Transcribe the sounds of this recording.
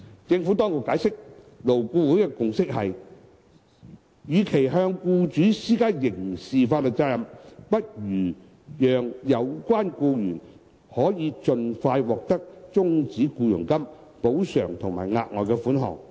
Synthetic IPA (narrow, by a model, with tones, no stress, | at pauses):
t͡sɪ˧ŋfu˨˥t̪ɔː˥ŋkʊ˨kːaː˨˧˥jsɪ˥k̚ | lo˨˩wkuː˧wuː˨˥jkɛ˧kʊ˨ŋsɪ˥k̚hɐ˨j | jyː˨˧kʰe˨˩jɦœː˧ŋkuː˧t͡ʃyː˨˥siː˥kaː˥jɪ˨˩ŋsiː˨faː˧t̚lo˨˧t͡sa˧ɐ˨mpɐ˥t̚jyː˨˩ | jœː˨ŋjɐ˨˧wkʷaː˥nkuː˧jyː˨˩n | hɔː˨˥jiː˨˧t͡sɵ˧nfaː˧jwɔː˨k̚t̪ɐ˥k̚t͡sʊ˥ŋt͡siː˨˥kuː˧jʊ˨˩ŋkɐ˥m | po˨˥wsœ̰ː˨˩ŋt̪ʰʊ˨ŋmaː˨˩jŋa̰ː˧t̚ŋɔː˨jkɛ˧fuː˨˥nɦɔ̰ː˨ŋ